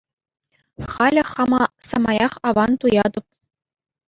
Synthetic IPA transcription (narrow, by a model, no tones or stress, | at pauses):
χɑlʲɘ̆χɑmɑsɑmɑjɑχɑʋɑnt̪ujɑd̪ɤ̆p̚